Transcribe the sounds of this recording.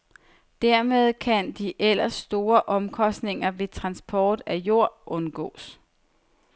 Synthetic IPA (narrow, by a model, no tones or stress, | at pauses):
d̥æɐ̰með̞ˠkʰænd̥iʔel̰ɐsːd̥o̝ːɐʔɒ̽mkʰɒ̽sd̥ne̝ŋɐʋe̝t͡sʰʁɑ̈nsb̥ʰɒːd̥æjo̝ɐ̰ʔɔ̽nɡ̥ɔ̰̽ːs